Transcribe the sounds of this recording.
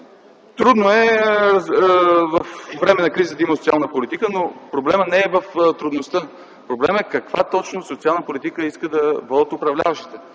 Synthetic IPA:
t̪ɾud̪noɛ | vɐfvɾɛmɛnɐkɾizət̪əiməsot̪ialˠnəpolit̪ikənopɾoblɛmənɛːvɐft̪ɾud̪nost̪ə | pɾoblɛmɛkɐkvat̪ɔt͡ʃnosot̪sialˠnəpolit̪ikəiskəd̪ɐvɔd̪ət̪ʊpɾɐvlʲa̰vɐʃt̪i̥t̪ə

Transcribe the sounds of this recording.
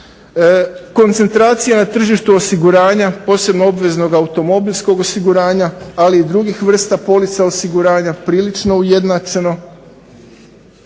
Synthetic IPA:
ko̞nt̪se̞nt̪ɾaːt̪sijanat̪r̩ʒiʃt̪uosiɡuɾaːɲapo̞ːse̞bnoobʋe̞zno̞ɡaut̪o̞mo̞bilʲsko̞ɡo̞siɡuɾaːɲaaliːd̪ɾuɡixʋr̩st̪apo̞lit̪saosiɡuɾaːɲapɾiːlit͡ʃno̞uje̞d̪nat͡ʃe̞no̞

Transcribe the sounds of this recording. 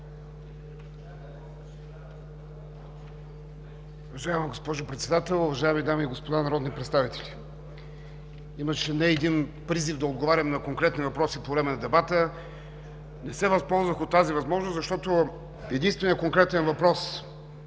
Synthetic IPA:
uvɐʒajəmiɡospɔʒʊpɾɛt̪sɛd̪at̪ɛlˠʊvɐʒajəmid̪amiːɡospod̪anɐɾɔd̪nipɾɛt̪st̪avit̪ɛlʲi | iməʃɛnɛːd̪inpɾizivd̪ɐod̪̚ɡovaɾʲɐmnɐkoŋkɾɛt̪nivɐpɾɔsipovɾɛmɛnɐd̪ɛbat̪ə | nɛsɛvɐspɔlˠzvɐxot̪ːazivɐzmɔʒnoszɐʃt̪ɔt̪o | ɛd̪inst̪vɛniəkoŋkɾɛt̪ɛnvɐpɾɔs

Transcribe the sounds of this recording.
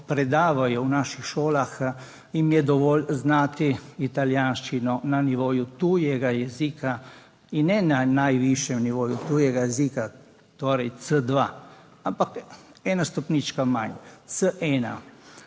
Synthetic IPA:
pɾɛd̪aːʋajɔwnaːʃixʃoːlax | imjɛd̪ɔʋɔːlznaːt̪iit̪aljaːnʃt͡ʃinɔnaniʋoːjut̪ujɛɡajɛziːka | innɛnanajʋiʃjɛmniʋoːjut̪uːjɛɡajɛzika | t̪oːɾɛjt͡s̪əd̪ʋa̰ | ampakɛːnast̪ɔpnit͡ʃkama̰nɲt͡s̪əʔɛːna̰

